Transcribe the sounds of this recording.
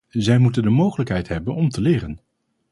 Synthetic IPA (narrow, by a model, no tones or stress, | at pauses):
zɛjmutəndəmowχələkɦɛjtɦɛbənɔmtəlɪːrən